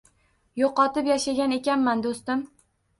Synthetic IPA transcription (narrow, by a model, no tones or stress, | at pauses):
joqɒt̪ɪpjaʃaɡʲane̞kʲanmand̪ost̪ɪm